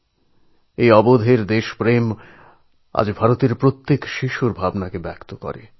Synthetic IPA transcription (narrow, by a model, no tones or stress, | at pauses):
ejɔbod̪ʱeɾd̪eʃpɾem | a̰d͡ʑbʱaɾot̪eɾpɾot̪ːekʃiʃuɾbʱabnakebɛkt̪okɔ̰ɾḛ